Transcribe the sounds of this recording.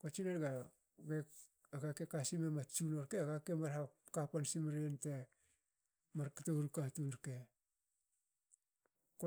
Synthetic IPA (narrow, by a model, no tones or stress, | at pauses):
kot͡ʃineɾɡa | ɡe | aɡakekasimemat͡ʃunoɾkeaɡakemaɾhakapansimɾiente | maɾkatoɾukatunɾke | ko